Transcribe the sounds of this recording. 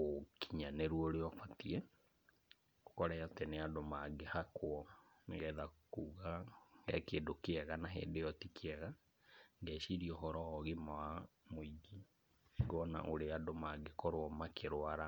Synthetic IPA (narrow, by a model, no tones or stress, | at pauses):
okiɲaneɾuoɾeɔfatiɛ | okɔɾajateneadomaɡehakwɔ | neɣɛðakuːɣaɡɛkeːndokeɛɣanaɦḛːndejɔtikʰeɛɣa | ŋɡɛʃiɾiɔɦɔɾɔːɣimawamoiɡi | ɡɔna̰ʔoɾeadomaɡekɔɾoɔmakʰeɾwaɾa